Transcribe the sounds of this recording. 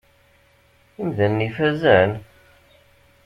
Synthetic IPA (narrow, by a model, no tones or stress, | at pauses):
imðænːifæzæn